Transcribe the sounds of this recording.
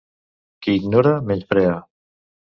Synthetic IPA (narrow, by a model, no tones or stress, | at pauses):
keiɡnoɾameʎfɾea